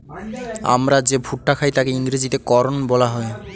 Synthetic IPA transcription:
a̰mɾad͡ʑebʱuʈːakʰajt̪akeiŋɾid͡ʑit̪ekɔɾonbɔlaɦɔe

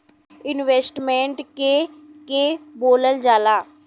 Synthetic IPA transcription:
ɪnʋeːsʈmẽːɳʈkeːkeːboːləld͡ʒaːlaː

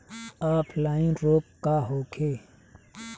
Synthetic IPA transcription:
aːplaːĩɾoːp̚kaːɦoːkʰeː

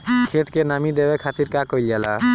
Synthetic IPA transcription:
kʰet̪kenamid̪ɛwɛkʰat̪iɾkakɔjlijala̰

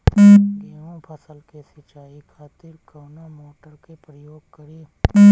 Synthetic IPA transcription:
ɡeːʋõpʰəsəlkesɪt͡ʃaːikʰaːt̪ɪɾkəːnamoːʈəɾkepɾəjoːɡ̚kəɾi

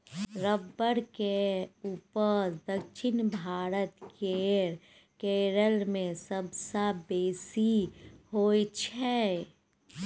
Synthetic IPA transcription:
ɾəbːəɾkeuːpəɾd̪əkʃɪnbʱaːɾət̪keːɾ | keːɾəlmẽsəbsabeːsihoːit͡ʃʰɛ

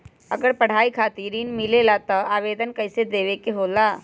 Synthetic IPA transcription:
ɐ̰ɡəɾpɐɽ̤aːikʰaːt̪iɾinmɪlelat̪ɐaːʋeːd̪ənkɐɪsed̪eːʋekeɦoːlaː

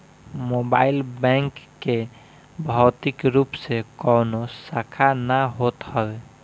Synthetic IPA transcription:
mobailbɛ̃ŋkːe | bʱɔwt̪ikɾupsekɔnosakʰanaɦot̪həbe

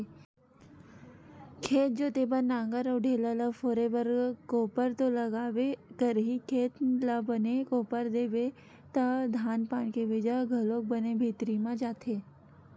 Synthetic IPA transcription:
kʰeːt̪̚d͡ʒoːt̪eːbənãːŋɡəɾɔːɖʱeːlələfoːɾebəɾkoːpəɾt̪olɐɡaːʋekəɾɦikʰeːt̪labənekoːpəɾd̪eːʋe | t̪əd̪ʱaːnpaːnkeʋɪd͡ʒəɡʱəloːk̚bənebʱiːt̪ɾimãd͡ʒaːt̪ʰe

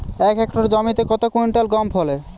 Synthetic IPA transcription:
ɛkɛkʈoɾd͡ʑɔmit̪ekɔt̪okujɳʈalɡɔmpʰɦole

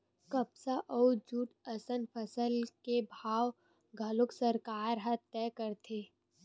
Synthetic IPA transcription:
kəbsaʔɔːd͡ʒuːʈəsənpʰəsəlkebʱaːw | ɡʱɐlʊksəɾkaːɾɦət̪ːɛkəɾt̪ʰe

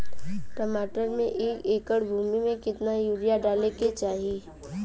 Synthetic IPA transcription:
ʈəmaːʈəɾmẽʔeːkeːkəɽbʱuːmimẽkɪt̪najuːɾijaɖaːleket͡ʃaːɦiiː

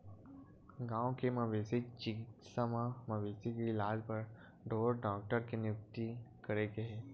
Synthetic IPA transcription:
ɡãːõkemɐʋeːsit͡ʃɪkɪt̪samãmɐʋeːsikeɪlaːd͡ʒpəɾ | ɖoːɾɖɔːk̚ʈəɾkenjʊk̚t̪ikəɾeɡeɦɛː

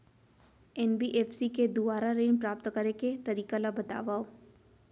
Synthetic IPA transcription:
ɛnbiʔeːfsiked̪ʊbaːɾaɾeːnpɾaːp̚t̪kəɾeket̪ɐɾiːkalabɐt̪a̰ːʋaːo

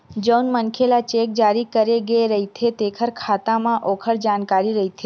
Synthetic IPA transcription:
d͡ʒəwnmənkʰelat͡ʃek̚d͡ʒaɾikəɾeɡeɾəɦit̪ʰet̪ekʰəɾkʰat̪amãʔokʰəɽd͡ʒankaɾiɾəɦit̪ʰe

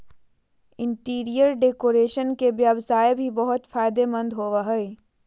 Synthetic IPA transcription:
ɪ̃ɳʈiːɾijəɾɖeːkoːɾeːʃənkeʋjəʋsaːjebʱibəɦʊt̪faːɪd̪emɐ̃nd̪ɦoːʋaɦɛe

